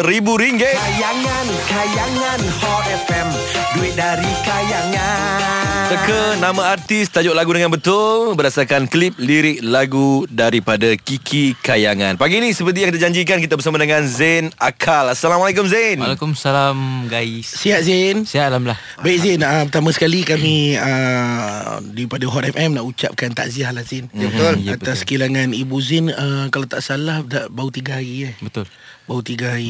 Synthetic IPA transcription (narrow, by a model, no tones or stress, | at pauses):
ɾibuɾiŋɡeajaŋankajaŋanhɔtɛfɛm | duit̪̚daɾikajaŋansəkənamãart̪ist̪ad͡ʒoʔlaɡudəŋanbət̪ʊlbərdasarkanklip̚liɾɪʔlaɡudaɾipadakikʰikajaŋa̰npaɡiːnĩsəpərt̪̬ijãŋkit̪ad͡ʒaɲd͡ʒik̬ankit̪abərs̬amãdəŋãnzɛnakʰalasalamalak̬ʊmzenalakumsalamɡaissiaʔzinsialamlah | baikzinəpət̪amãsə̥kalikamĩə | daɾipadaɦɔt̪ɛfɛmnaʔut͡ʃa̰p̚kant̪a̰ʔziahlahzɪnbət̪ʊlat̪asskilaŋãnibuzɪnəkalat̪aʔsalahdaʔbaut̪iɡaɦaɾiabət̪ʊl | baut̪iɡaɦai